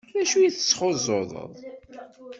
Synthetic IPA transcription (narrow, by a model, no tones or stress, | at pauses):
læʃujiθə̥t͡sːχozˤːoðˤə̰ðˤ